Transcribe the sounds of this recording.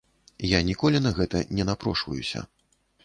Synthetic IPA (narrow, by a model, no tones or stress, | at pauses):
janʲikɔlʲinɐɣɛt̪ɐnʲɛnapɾɔʂvɐ̰jusʲɐ̰